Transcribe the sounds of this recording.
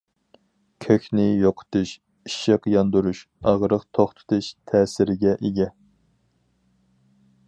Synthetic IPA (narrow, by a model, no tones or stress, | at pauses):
kʲʰøkʲnɪjoqʰə̥t̪uʃ | iʃɪqjɑnd̪uɾuʃ | ɑʁɾəqt̪ʰoχt̪ʰɨ̥t̪ʰɨʃt̪ʰɛːsɪɾɪɡʲɛʔeɡʲɛ